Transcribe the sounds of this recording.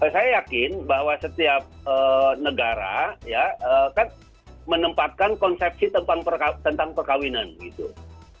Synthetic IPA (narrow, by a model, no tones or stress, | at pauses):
əsajajakɪnbahwasət̪iap̚əːnəɡaɾa̰jaəːkan | mənəmpat̪̚kankɔnsɛp̚sit̪əmpaŋpərkat̪ənt̪aŋpərkawinanbɡit̪ṵ